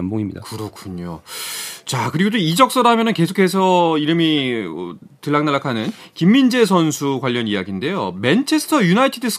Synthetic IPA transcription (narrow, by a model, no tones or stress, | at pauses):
mboŋimɲidakɯɾʌkʰuɲo̰ | t͡ɕakɯɾiɡodoid͡ʑʌk̚s͈ʌɾamjʌnɯnke̞sʰo̥kʰe̞s̬ʰʌiɾɯmḭ | tɯɭːaŋnaɭːakʰanɯn | kimːind͡ʑe̞s̬ʰʌnsʰukwaʎːʌnijaɡinde̞jome̞nt͡ɕʰe̞sʰtʰʌjunaitʰidɯsʰ